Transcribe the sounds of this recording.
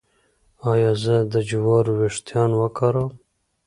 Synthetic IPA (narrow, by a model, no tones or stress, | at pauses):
ɑjɑːzəd̪əd͡ʒuwɑːɾweʂt̪jɑːnwəkʰɑɾəm